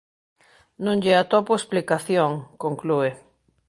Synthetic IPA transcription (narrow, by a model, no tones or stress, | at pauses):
nõŋʎeat̪opoesplikaθjoŋkoŋklue